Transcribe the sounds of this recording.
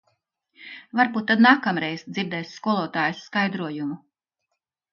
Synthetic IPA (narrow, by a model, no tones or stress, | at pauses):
vaɾbuːt̪ːad̪naːkamɾɛjzd̪ziɾd̪ɛːjsskuɔlˠuɔt̪aːjusːkajd̪ɾuɔjumu